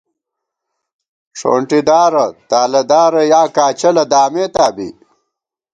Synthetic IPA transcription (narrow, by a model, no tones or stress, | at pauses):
ʂʰo̰ːɳʈid̪aːɾɐt̪aːlɐd̪aːɾɐjaːkaːt͡ɕɐlɐd̪aːmeːt̪aːbḭ